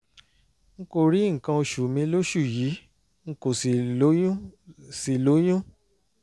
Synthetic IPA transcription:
ŋ̩˦ko˦˨ɾi˨˦ŋ̩˨kã˧o˧ʃu˨mĩ˧lo˦ʃu˦˨ji˨˦ | ŋ̩˦ko˨si˨o˦jũ˦si˨lo˨˦j̃ũ˦

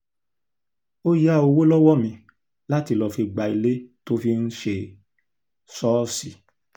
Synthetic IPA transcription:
o˦ja˦o˧wo˦lɔ˦wɔ˦˨mĩ˧ | la˦ti˧˨lɔ˨˧fi˧ɡ͡ba˨i˧le˦to˦fi˧n̩˦ʃe˧ | sɔ˦si˨

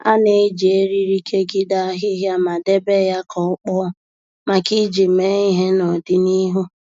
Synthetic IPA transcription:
a̰˦ne˨˦d͡ʒe˦ɾi˦ɾi˦kʰe˦ɡi˦da˦ɦɪ˦ɦja˦ma˨de˦be˦ja˦kʰɔ˨ʊ˦k͡pɔ˦ | ma˨ki˦d͡ʒi˨me˦i˦ɦe˦nɔ˨dɪ˦ni˦ɦu˦

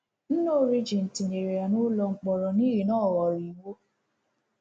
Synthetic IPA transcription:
n̩˦no˦ɾi˦d͡ʒi˨n̩˨tĩ˨e˨ɾe˨a˨nũ˦lɔ˧ŋ͡m̩˦k͡pɔ˨ɾɔ˨nĩ˦ɾi˨nãː˦˨wɔ˨ɾi˨wo˦

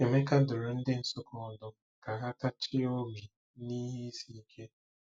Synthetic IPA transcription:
e˨me˦ka˦dʊ˨ɾʊ˨n̩˦dɪ˦n̩˨sʊ˦kʊ˨ɔ˨dʊ˦ | ka˨ɦa˦ta˦t͡ʃɪ˦o˦bi˨ | ni˦ɦe˦si˨i˦kʰe˦

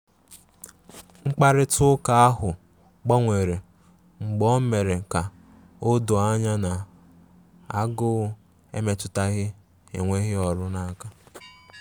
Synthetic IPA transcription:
ŋ͡m̩˦k͡pa˦ɾɪ˦tʊ˦ka˨a˦ɦʊ˨ | ɡ͡bɔ˦ŋʷe˨ɾe˨ | ŋ͡m̩˨ɡ͡bɔ˦me˨ɾe˨ka˨ | o˦do˨a˦ɲa˦na˨ | a˦ɡʊ˦ | e˦me˨tʊ˦ta˦ɣɪ˦ | ḛ˨ŋʷe˦ɣɪ˦ɔ˨ɾʊ˦na˦ka˦

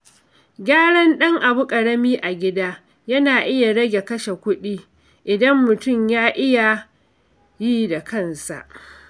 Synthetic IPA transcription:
ɡʲaː˦ɽɐ˦nɗɐ˦ŋʔa˨bʊ˦kʼɐ˨ɽɐ˦miː˦ʔa˨ɡʲɪ˦daː˦ | jɐ˦naː˨ʔɪ˦ja˨ɽɐ˦ɡʲe˨kɐ˦ʃe˨kʷʊ˦ɗiː˦ | ʔɪ˨dɐ˦mːʊ˨tʊ˦˨mjaː˦ʔɪ˦ja˨ | ji˦da˨kɐ˦˨nsa̰˨ʔ

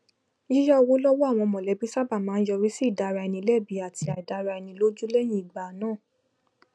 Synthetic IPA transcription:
i˦ja˦˧wo˦lɔ˦wɔ˦a˦˨w̃ɔ̃˧mɔ̃˨lɛ˨˦bi˦sa˦ba˦˨mãː˨˦n̩˦jɔ˧ɾi˦si˦˨da˨ɾa˧ɛ˧nĩ˧˦lɛ˦˨bi˨˦a˨ti˧a˨i˨da˧ɾa˧ɛ˧nĩ˧˦lo˦d͡ʒu˦lɛ˦˨j̃ĩ˦˨i˨ɡ͡ba˨nãː˦˨

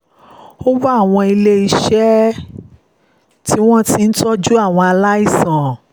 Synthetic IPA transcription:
o˦wu˦a˦˨w̃ɔ̃˧i˧le˧i˧ʃɛ˦ | ti˦w̃ɔ̃˦ti˧n̩˦tɔ˦d͡ʒu˦a˦˨w̃ɔ̃˧a˧la˦i˦˨sã˨

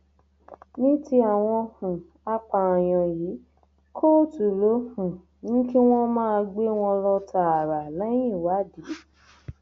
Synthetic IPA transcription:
nĩ˦ti˦a˨w̃ɔ̃˧hũ˨ | a˧k͡pa˧ã˨j̃ɔ̃˨ji˨˦ | kʰo˦˨tu˨lo˨˦hũ˨ | nĩ˦ki˦w̃ɔ̃˦mãː˦a˧ɡ͡be˦w̃ɔ̃˧lɔ˧tʰa˧a˨ɾa˨lɛ˨˦j̃ĩ˦˨wa˨˦di˨˦

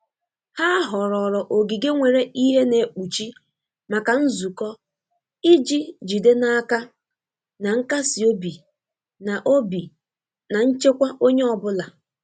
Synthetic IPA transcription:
ha˦ɦɔ˨ɾɔ˨ɾɔ˨ʔo˨ɡi˨ɡe˦ŋʷe˨ɾe˦i˦ɦe˦ne˨k͡pu˨t͡ʃi˦ | ma˨ka˨n̩˦zu˨kɔ˦ | i˦d͡ʒi˦d͡ʒi˨de˦na˦ka˦ | na˨ŋ̩˦ka˦si˨o˦bi˨ | na˨ʔo˦bi˨ | na˨n̩˦t͡ʃe˦kʷa˦ʔo˦ɲe˦ɔ˨bʊ˦la˨

